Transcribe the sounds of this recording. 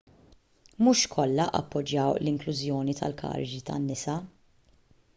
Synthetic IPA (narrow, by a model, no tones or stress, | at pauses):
muːʃkʰɔlːɐʔɐ̰pːɔd͡ʒːɐwlɪŋklʊzjɔːnit̪ɐ̰lkʰɐ̰ːɾɪd͡ʒit̪ɐ̰nːɪsɐ